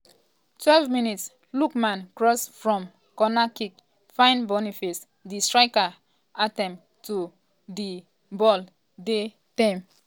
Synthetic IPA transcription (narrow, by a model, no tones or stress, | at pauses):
twɛlvminits | lukmãnkɹɔsfɹɔ̃m | kɔnakik | fãɪ̃nbɔnifis | distɹaɪka | ʔatɛ̃m | tu | di | bɔl | de | tãm